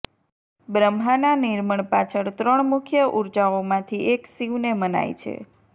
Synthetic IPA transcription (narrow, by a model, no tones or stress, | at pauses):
bɾəmɦananiɾməɳpat͡ʃʰəɾt̪ɾəɳmukʰjəʔuɾd͡ʒaomãt̪ʰiʔeksiʋneməna̰jt͡ʃʰḛ